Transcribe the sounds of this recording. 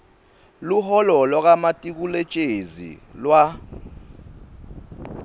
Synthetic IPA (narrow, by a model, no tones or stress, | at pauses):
luɦɔlɔlwak̬amatʼik̬ulɛt͡ʃʼezḭlwa